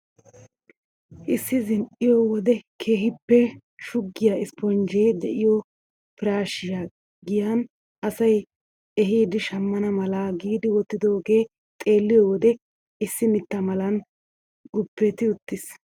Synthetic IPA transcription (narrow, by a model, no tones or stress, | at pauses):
ʔɪsːɪzɪnʔɪjɔwɔd̪ɛkʰe̞ːɦɪpːɛ | ʃʊɡːɪjaɪspɔnd͡ʒed̪ɛʔɪjɔ | pɪɾaːʃɪja | ɡɪjɐn | ʔɐsɐj | ʔɛɦiːd̪ɪʃɐmːɐnɐmɐlaɡiːd̪ɪwɔt̪ːɪd̪o̞ːɡe̞ː | t̪ʼe̞ːlːɪjɔwɔd̪ɛ | ɪsːɪnɪt̪ːɐmɐlɐn | ɡʊpːɛt̪ɪʊt̪ːɪs